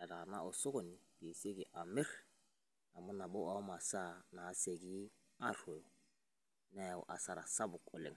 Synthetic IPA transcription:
ɛ˨ra˨na̰˦ʔʊ˨sʊ˦kʊ˨nɪ˨d̥i˨se˦kɪ˨ʔa˨mɪ˦r | na˨mʊ˦na˨bʊ˦a˦ma˨sa˦˨naː˨˦se˨ki˦ | a˦rwe˨ʊ | nɛ˦˨ʊ̰˨ʔa˨sa˨ɾa˨sa˦bʊ˨kʼʊ˨lɪ̰˨ŋ˨

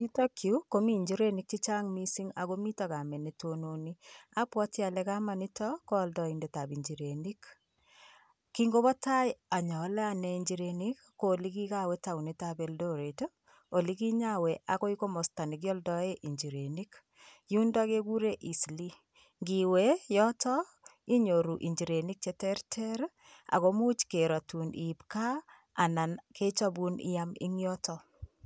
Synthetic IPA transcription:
i˦to˦kʰju˦ko˦mi˦ɲd͡ʒi˦ɾe˦nik̚t͡ʃi˦t͡ʃa˦ŋmi˦siŋa˨ɣo˦mi˦ta˨ka˨mɛ˨ne˨tʰononia˦pwɔ˦tja˨lɛ˦ka˦ma˨ni˦tɔ˦ko˦ldɔ˨inde˨ta˨bi˨ɲd͡ʒi˨ɾeni˦k | kiŋɡo˦βɔ˦ta˦ja˨ɲɔ˨˦lɛ˦a˦nɛiɲd͡ʒi˨ɾenikː | oliki˦ka˦wɛta˨u˨ne˦tabe˨ldo˦ɾe˨to | o˨li˦ki˦ɲa˦we˨ʔa˨ko˦i˦ko˦mɔ˨sta˨ni˨k̬jɔ˦ldɔ˦e˦ʔi˨ɲd͡ʒi˨ɾe˨ni˦k | ju˦nda˦ke˦ɡu˦ɾe˦ʔi˨sli˦ | ŋɡi˨we˦jɔ˦tɔ˦ | i˦ɲo˨ɾu˨ʔḭ˨ɲd͡ʒi˨ɾe˨ni˦k̚t͡ʃe˦tɛ˦ɾtʰɛ˦ɾ | a̰˨ko˦mu˦t͡ʃke˨ɾa˨tu˨ni˨pka˦ | a˨na˨nkʰe˦t͡ʃɔ˦bu˦nɪ̰˦ja˦mḭ˦ŋjɔ˦tɔ˦

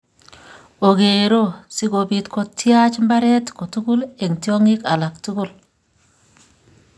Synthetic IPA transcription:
o˨ɡe˨ɾo˦˨si˦ko˨bi˨tko˦tːja˦t͡ʃmba˦ɾɛ˦tko˨tu˦ku˦le˨ŋtjo˦ŋi˦ka˨la˨ktu˦ku˦˨l

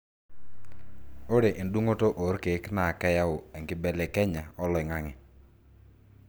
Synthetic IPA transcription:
o˦ɾe˨ʔɪ˨ndu˦ŋo˦to˦ʔo˨˦ɾke˨˦kna˨kɛ˦ja˦ʊ˨ɛ˨ŋɡɪ˨˦bɛ˨lɛ˨kɛ˦ɲa˨ɔ˦lɔ˨ɪ˨ŋa˦ŋɪ˨

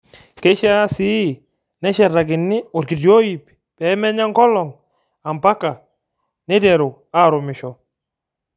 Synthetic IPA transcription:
ke˦ʃa˦si˦ | nɛ˦ʃɛ˨ɾa˨ɡɪ˨nːɪ˦ʊ˨ɾki˨djo˦ji˨p | pɛ˨˦mɛ˦ɲa˦ŋkɔ˦lɔ˨ŋ | a˨mpa˦kːa˨ | nɪ˦dɛ˨ɾu˨ | a˦ɾʊ˨mɪ˨ʃɔ˨

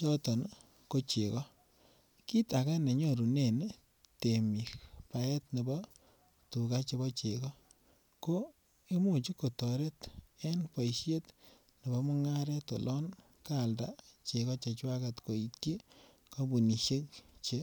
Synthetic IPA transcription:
t͡ʃɔ˦tɔ˨n | ko˦t͡ʃe˨kɔ˦ | ki˦ta˨ka˦ne˨ɲɔ˦ɾu˨ne˨n | te˨mi˨kpa˨ɛ˦tne˨bɔ˦ | tu˨ka˦t͡ʃe˧bɔ˦t͡ʃe˨kɔ˦ | ko˦ | i˦mu˦˨t͡ʃi˦ko˨tɔ˨ɾe˦te˦npa˨iʃe˦t | ne˨bɔ˦mu˦ŋa˦ɾɛ˦to̰˨lʔɔ˦n | ka˨lda̰˨t͡ʃe˨kɔ˦t͡ʃe˨t͡ʃwa˦ka˨tko˨i˨tki˦ | ko˦bu˨ni˨ʃe˦kt͡ʃe˦

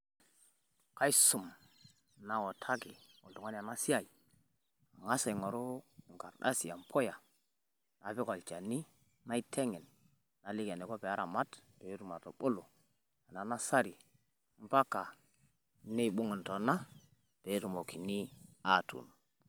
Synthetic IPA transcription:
ka˦i˦su˨m | na˨wo˨tʰa˦ki˨u˨ltu˨ŋo˦n˦a˨na˦si˦a˦˨i˨ | a˨ŋa˦sa˨ŋo˨ɾo˦˨ŋka˨ɾɗa̰˦si˨ja˨m˨pʰo˦ja˨ | na˨pe˦ko˨lt͡ʃa˨ni˦ | na˦i˦tʰe˦ŋi˨n | na˨li˦ka˨ne˨ko˦pe˨a˦ɾa̰˨ma˦tpe˨˦ɾu˨ma˨to̰˨ɓo˦lo˨ | a˨na˨na˦sa˦ɾi˨˦ | m˦pa˦ka˨ | ni˦˨ɓu˦ŋu˨nto˨na˦ | pe˨˦ɾu˨mo˨ki˨ni˦a˦˨tṵ˨n

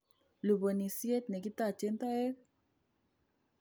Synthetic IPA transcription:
lu˨bə˨ni˨si˦e˦t̪̚ne˨ki˦t̪a˦˨t͡ʃe˦nt̪a˦e˦k

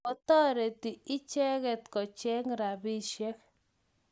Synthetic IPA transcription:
ɔ˨tɔ˦ɾe˨ti˨ɪ˦t͡ʃɛ˦kɛ˨t̪kɔ˨t͡ʃɛ˦ŋɾa˨bi˦ʃɛ˦k̚

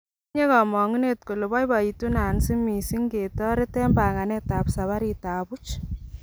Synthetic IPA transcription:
ɲe˦kɔ˨mɔ˨ŋi˦ne˦tko˨lʊ˨bɔ˦jba˨i˨tu˦na˨nsi˦mi˨si˦ŋɡe˨tɔ˦ɾe˦tɛ˦mba˨ŋa˨nɛ˦ta˨psa˨βa˦ɾi˨ta˨bu˦t͡ʃ

